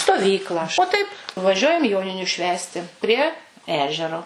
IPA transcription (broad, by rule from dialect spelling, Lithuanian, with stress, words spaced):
stoːˈʋʲiːklˠɑː oː ˈtɐɪp ˈʋɑːʒʲuɔjɛm ˈjoːnʲɪnʲʊ ˈʃʲʋʲæːsʲtʲɪ ˈpʲrʲiɛ ˈæːʒʲɛroː